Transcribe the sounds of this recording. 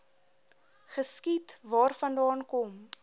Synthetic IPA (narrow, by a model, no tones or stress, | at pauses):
χəskitvɑːrfɐndɑːnkɔm